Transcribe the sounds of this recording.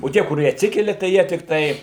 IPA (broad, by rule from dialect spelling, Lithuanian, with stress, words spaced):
oː ˈtʲiɛ kʊˈrʲiɛ ɐtʲˈsʲɪkʲɛlʲɛ tɐɪ ˈjiɛ tʲɪkˈtɐɪ